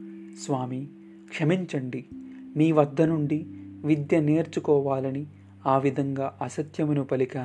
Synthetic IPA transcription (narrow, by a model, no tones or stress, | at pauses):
sʋaːmi | kʂɐmiɲt͡ʃɐɳɖimiːʋɐd̪ʱːɐnuɳɖiʋid̪jɐneːɾt͡ʃukɔːʋaːlɐni | aːʋid̪ʱɐŋɡaːʔɐsɐt̪jɐmunupɐlikaː